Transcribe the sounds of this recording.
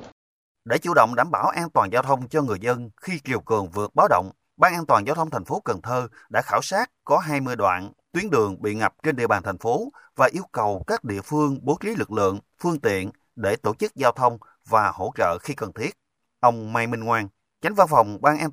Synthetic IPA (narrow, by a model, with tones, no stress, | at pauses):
ɗe˧˩t͡ɕṵ˧˨ɗə̰˧˨wŋ͡mɗaː˧˩mɓaː˧˩wʔaː˧nt̪waː˨˩nzaː˧wt̪ʰə˧wŋ͡mt͡ɕɔ˧ŋɨ˨˩əjzə˧nxi˧t͡ɕi˨˩əwkɨ˨˩əŋvɨ˨˩ək̚ɓaː˨˦wɗo̰˧˨wŋ͡m | ɓaː˧nʔaː˧nt̪waː˨˩nzaː˧wt̪ʰə˧wŋ͡mt̪ʰa˨˩ŋ̟fo˨˦kə˨˩nt̪ʰəː˧ɗa̰ː˧˥xaː˧˩wsaː˦˥t̚kɔ˨˦ɦaː˧jmɨ˧əjɗwa̰ː˧˨nt̪wi˨˦ənɗɨ˨˩əŋɓḭ˧˨ŋa˨˩p̚t͡ɕe˧nɗḭ˧˨əɓaː˨˩nt̪ʰa˨˩ŋ̟fo˨˦vaː˨˩ʔi˧əwkə˨˩wkaː˦˥k̚ɗḭ˧˨əfɨ˧əŋɓo˨˦ki˨˦lɨ˨˩k̚lɨ̰˧˨əŋ | fɨ˧əŋt̪ḭ˧˨ən | ɗe˧˩t̪o˧˩t͡ɕɨ˦˥k̚zaː˧wt̪ʰə˧wŋ͡m | vaː˨˩ho̰˧˥t͡ɕə̰ː˧˨xi˧kə˨˩nt̪ʰi˦˥ət̚ | ʔə˧wŋ͡mmaː˧jmï˧ŋŋwaː˧n | t͡ɕa˨˦ŋ̟va˧nfa˨˩wŋ͡mɓaː˧nʔaː˧